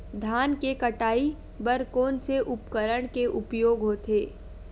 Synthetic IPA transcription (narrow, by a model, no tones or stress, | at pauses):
d̪ʱaːnkekɐʈaːi | bɐɾkoːnseʔʊpkəɾəɽ̃keʔʊpjoːɡɦoːt̪eː